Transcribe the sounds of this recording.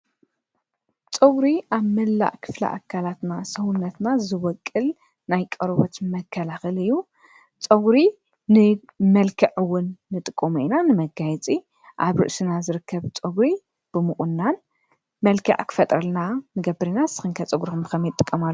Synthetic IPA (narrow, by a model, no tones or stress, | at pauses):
t͡sʼɨɡɾiʔaβmɐlːa̰ʔkʰɨ̥flɐ̰ʔa̰kʰalat̪nasɐwʊnːɐt̪nazɨwɔkʼːɨl | najkʼɐɾβo̰t̪mɐkʰːɐlaxɨlɨjːu | t͡sʼɐɡɾi | nɨ | mɐlkʰɐʕɨwʊnːɨt̪ʼɨkʼːomuinanɨmɐɡajt͡sʼi | ʔaβɾɨ̰ʔsɨnazɨɾɨkʰːɐβt͡sʼɐɡɾi | b̥ɨmɨxʼʊnːan | mɐlkʰɐ̰ʕkʰɨ̥fɐt̪ʼɾɐlnanɨɡɐbɨɾinasɨ̥xɨŋkʰɐt͡sʼɨɡɾixɨmbɨxɐmjɛt̪ʼːɨkʼːɐmalː